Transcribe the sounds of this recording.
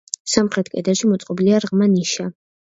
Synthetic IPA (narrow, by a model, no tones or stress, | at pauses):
samχɾɛt̪̚ʰkʼɛd̪aʃimɔt̪sʼqʼɔbliaɾʁmaniʃa